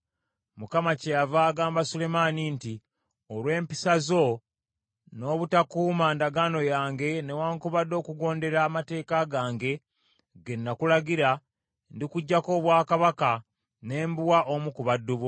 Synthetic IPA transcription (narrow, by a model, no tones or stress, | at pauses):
mukamacejavaːɡaːmbasule̞maninti | olwe̞ːmpisazo̞ | no̞ːβutakuːmandaɡano̞jaːŋɡe̞ne̞waːŋkuβadːo̞ːkuɡo̞ːnde̞ɾaːmate̞ːkaɡaːŋɡe̞ | ɡe̞nːakulaɡiɾa | ndikuɟːako̞ːβwaːkaβaka | ne̞ːmbuwaʔomukuβadːuβo